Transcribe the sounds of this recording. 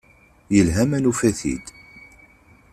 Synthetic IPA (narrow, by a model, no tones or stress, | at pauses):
jəlɦæmænufæθḭd̪